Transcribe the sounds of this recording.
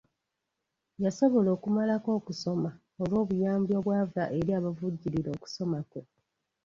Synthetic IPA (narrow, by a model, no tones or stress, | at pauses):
jaso̞βo̞lo̞ːkumalako̞ːkuso̞ma | olwo̞ːβujaːmbjo̞βwaːvaʔe̞ɾiaːβavuɟːiɾiɾo̞ːku̥so̞mako̞